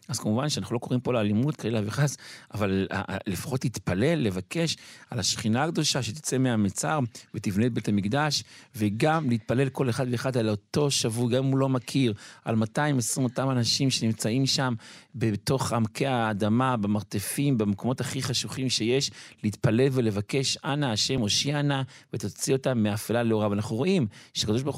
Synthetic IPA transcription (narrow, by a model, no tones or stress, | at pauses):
azkamuvanʃeanaχulo̞ko̞ʁimpo̞leaːlimut̪kaelaviχasavala̰lefḁχo̞thit̪pale̞lːe̞vake̞ʃalaʃχinaɡd̪o̞ʃaʃet̪i̥t͡semeamet͡sa̰ʁvet̪ivnetbe̞t̪amikd̪aʃveɡamleit̪̚pale̞lko̞leχad̪veːχad̪alo̞t̪o̞ʃavuɡammulo̞makʰiʁa̰lmat̪aimesʁimot̪amanaʃimʃe̞nimt͡saimʃambet̪o̞χamkʰeaːd̪amabemaʁt̪e̞fimbemekomo̞taχiχaʃuχimʃe̞je̞ʃleit̪pale̞lve̞le̞vake̞ʃanaːʃe̞mo̞ʃiana | vet̪ot͡sio̞tamːeafelaleoʁavanaχnuʁo̞ʔimʃeakado̞ʃ̬baʁ